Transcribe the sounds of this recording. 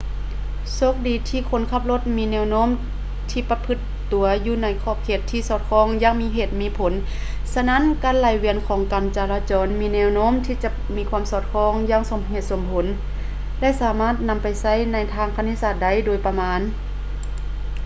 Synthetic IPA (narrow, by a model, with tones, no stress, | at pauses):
so˧˥k̚diː˨˩t̪ʰiː˧˨kʰo˧˥˨nkʰa˧˩p̚lo˧˦t̪̚miː˧˥nɛː˧˨wnoː˧˥˨m | t̪ʰiː˧˨pa˧pʰɯ˧˦t̪ːu˨˩˦ɐjuː˧na˧˥jkʰɔː˧˩p̚kʰeː˧˩t̪ʰːiː˧˨sɔː˧˩t̪̚kʰɔː˧˥˨ŋjaː˧˥ŋmiː˧˥ɦeː˧˩t̪̚miː˧˥˨pʰo˨˦n | sa˧na˧˥˨nkaː˧˥˨nlaː˨˩jwi˧ənkʰɔː˨˦ŋka˨˩nt͡ɕaː˧laː˧t͡ɕɔː˨˧˦nmiː˧˥nɛː˧˨wnoː˧˥˨mt̪ʰiː˧t͡ɕa˧˥ | miː˧˥kʰwaː˧˥˨msɔː˧˩t̪̚kʰɔː˧˥˨ŋjaː˧˥˨ŋso˨˦mhe˧˩t̪̚so˧˩˦mpʰo˨˦n | lɛ˧˥˨saː˨˦maː˥˨t̪̚na˧mpa˨jsa˧˥˩jna˧˥jt̪ʰaː˧˨ŋpʰa˧niː˧˥˨saː˧˩t̪̚da˧˩˨jdoː˨jpa˧maː˨˧˥n